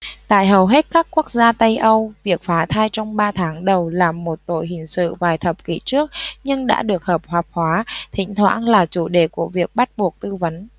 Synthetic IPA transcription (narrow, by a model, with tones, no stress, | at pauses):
t̪a̰ː˧˨jɦə˨˩wɦe˦˥t̚kaː˦˥kkːu˦˥ək̚zaː˧t̪ə˧jʔə˧wvi˨˩ək̚faː˨˦t̪ʰaː˧jt͡ɕɔ˧wŋ͡mɓaː˧t̪ʰaː˨˦ŋɗə˨˩wlaː˨˩mo˨˩t̚t̪o̰˧˨jɦï˨˩ŋ̟sɨ̰˧˨vaː˨˩jt̪ʰə˨˩p̚kḭ˧˩t͡ɕɨ˦˥ək̚ɲɨ˧ŋɗa̰ː˧˥ɗɨ˨˩ək̚həː˨˩p̚hwaː˨˩p̚hwaː˨˦t̪ʰï˧˩ŋ̟t̪ʰwa̰ː˧˥nlaː˨˩t͡ɕu˧˩ɗe˧˩ku˧˩əvi˨˩ək̚ɓa˦˥t̚ɓu˨˩ək̚t̪ɨ˧və˨˦n